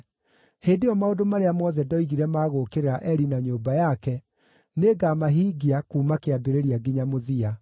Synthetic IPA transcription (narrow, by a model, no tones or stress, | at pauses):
heːndeɔmaodomaɾeamɔðɛdɔiɣiɾɛmaːɣokeɾeɾaʔɛɾinaɲoːbajakɛ | neːɡamaɦiːɡiakuːmakeabeɾeɾiaɡiɲamoðia